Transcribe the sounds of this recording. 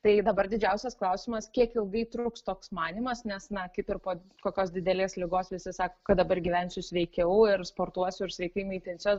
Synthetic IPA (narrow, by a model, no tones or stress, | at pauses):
t̪ɐɪd̪ɐbɐrd̪ʲɪd͡ʒʲɛʊsʲɛsklˠɐʊsʲɪmɐskʲiɛkɪlˠɡɐɪt̪ɾuːkst̪oːksmɑːnʲimɐsnʲɛsnɐkʲɪt̪ɪɾpoː | koːkʲoːsd̪ʲɪd̪ʲɛlʲeːslʲɪɡoːsʋʲɪsʲɪsɑːkoːkɐt̪d̪ɐbɐrɡʲiʋʲɛnʲsʲʊsʲʋʲɛɪkʲɛʊɪrspoːrt̪uɔsʲʊɪrsʲʋʲɛɪkʲɐɪmʲiːt̪ʲɪnʲsʲo